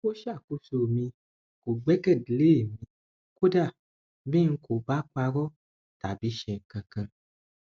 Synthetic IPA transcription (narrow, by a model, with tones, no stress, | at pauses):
wo˦ʃa˦˨ku˧˦so˧˨mĩ˧ | ko˨ɡ͡bɛ˦kɛ˦˨dle˦˨mĩ˧ | ko˦da˦˨ | bĩ˦ŋ̩˧ko˨ba˦k͡pa˧ɾɔ˦ | ta˨bi˨˦ʃɛ˧˨ŋ̩˨kã˨kã˧